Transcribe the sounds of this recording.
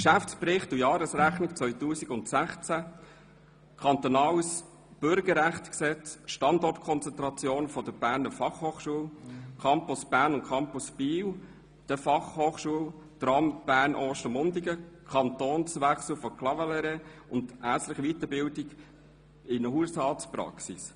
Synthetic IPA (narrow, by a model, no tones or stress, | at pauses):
kʃæft͡sspɾɪχtujɑːɾəsɾæχnɪkt͡sʋœʏtuːsiɡʊntsæχt͡sæ | kʰɑnt̪ɔnɑːws | b̥ʏɾɡəɾæχtksɛt͡sʃtɑndɔrtkʰɔnt͡sɛnt̪ɾɑt͡sjoːnfɔd̥əb̥æːɾnəɾfɑχhoːχʃuəwkʰɑmpʊsb̥æːɾnʊnkʰɑmpʊsb̥iːw | d̥əfɑχhoːχʃuəw | t̪ɾɑmb̥æːɾnʔɔːʃtəmʊndiɡəkʰɑnt̪oːnsʋæχsl̩fɔkʰlɑvɛlɛɾeʊndʔæsləχiʋit̪əbɪldɪɡ | ɪnəɦuəshɑːtspɾɑ̰ksis